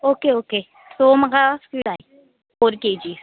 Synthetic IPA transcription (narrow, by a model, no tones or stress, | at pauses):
oːkeoːke | somɐɡaskilaːi | oːɾked͡ʒiːs